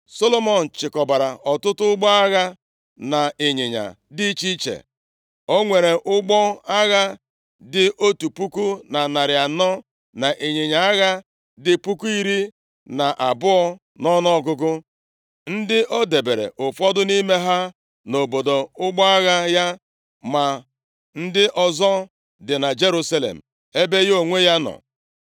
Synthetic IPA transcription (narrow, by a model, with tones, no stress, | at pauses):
so˦lo˦mɔ˦˨n̩˨t͡ʃɪ˨kɔ˨ba˨ɾa˨ʔɔ˨tʊ˦tʊ˦ʊ˦ɡ͡bɔ˦a˦ɣa˦ | na˨e˨ɲɪ˨ɲa̰˨ | dɪ˦t͡ʃi˦t͡ʃḛ˨ | o˦ŋʷe˨ɾe˨ʔʊ˦ɡ͡bɔ˦a˦ɣa˦ | dɪ˦ʔo˦tu˨pu˦ku˦na˨na˨ɾɪ˨a˨nɔ˦ | na˨ʔe˨ɲɪ˨ɲa˨a˦ɣa˦ | dɪ˦pu˦ku˦i˦ɾi˦ | na˨ʔa˨bʊ˦ɔ˦ | nɔ˦nɔ˦ɔ˨ɡʊ˦ɡʊ˦ | n̩˦dɪ˦ʔo˦de˨be˨ɾḛ˨ʔʊ˨fɔ˦dʊ˦ni˦me˦ɦa˦ | no˨bo˨do˨ʊ˦ɡ͡bɔ˦a˦ɣa˦ja˦ | ma˨ | n̩˦dɪ˦ʔɔ˨zɔ˦ | dɪ˨na˨d͡ʒe˦ɾu˦sa˦lḛ˨m̩˨ | e˦be˦jo˨ŋʷe˦ja˦nɔ̰˨